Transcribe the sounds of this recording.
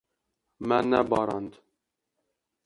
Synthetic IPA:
mɛnɛbɑːɾɑnd̪

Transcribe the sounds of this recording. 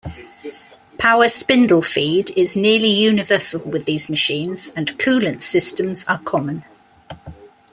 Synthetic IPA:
pʰaʊəspɪ̃ndəl̩ˠfiːdɪznɪəlijʉːnɪvɜˑsəlˠwɪðiːzməʃĩːnz̥ə̃nkʰʉːlə̃nsɪstə̃mz̥əkʰɒmə̃n

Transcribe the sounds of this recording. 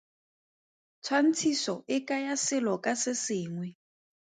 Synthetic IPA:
t͡sʰwan̩t͡sʰisɔʔɪkʼajasɪlɔkʼasɪsɪːŋwɛ

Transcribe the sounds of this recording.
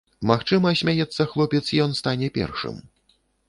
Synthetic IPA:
maxt͡ʂɨmɐsʲmʲajɛt̪sːɐxlˠɔpʲɛt̪sijɔnst̪anʲɛpʲɛ̰rʂɨ̰m

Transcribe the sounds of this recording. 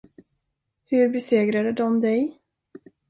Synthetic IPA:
hɵɾbɛseːɡɾad̪əd̪ɔmd̪ɛj

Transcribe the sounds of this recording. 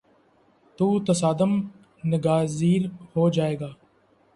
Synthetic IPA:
t̪uːt̪əsaːd̪əm | nɪɡaːziːɾhoːd͡ʒaːeːɡaː

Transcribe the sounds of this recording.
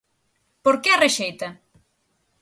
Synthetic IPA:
poɾkeareʃejt̪ɐ

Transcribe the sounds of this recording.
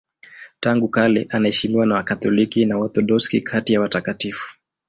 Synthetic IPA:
taŋɡukalɛʔanaɛʃimiwanawakatɔlikinaɔθɔɗɔskḭkʰatijawatakatifu̥

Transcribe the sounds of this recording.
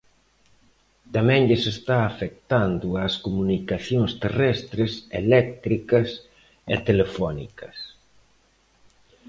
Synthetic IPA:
t̪amɛ̃ŋʎesest̪aːfek̚t̪and̪ʊaskomunikaθjoŋst̪erɛst̪ɾesḛlɛk̚t̪ɾikɐs | ḛt̪elefɔnḭkɐs

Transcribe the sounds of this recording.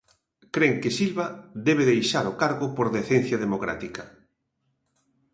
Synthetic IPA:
kɾeŋkɪsilβad̪ɛβeðejʃaɾokaɾɣopoɾðeθen̟θjað̞emokɾa̰t̪ikɐ

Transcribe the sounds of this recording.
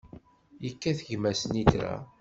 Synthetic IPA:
jəkːæθəʝmæsəniθɾæ̰

